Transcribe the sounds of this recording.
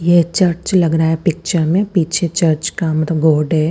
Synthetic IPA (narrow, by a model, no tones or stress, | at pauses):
jet͡ʃɐɾt͡ʃlɐɡɾaːɦɛpɪk̚t͡ʃəɾmẽpiːt͡ʃʰet͡ʃɐɾt͡ʃkamɐt̪ləbɡoːɾɖɦɛ